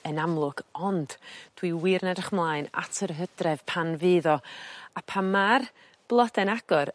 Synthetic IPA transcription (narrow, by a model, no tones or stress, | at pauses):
ənamlˠʊɡ̥ɔnd̥d̥wiwɪrnɛdrəχmlˠaːɨna̰tʰərɦəd̥rɛv̥pʰanvɨːðɔapʰamar | b̥lˠɔd̥ɛnaɡ̥ɔɾ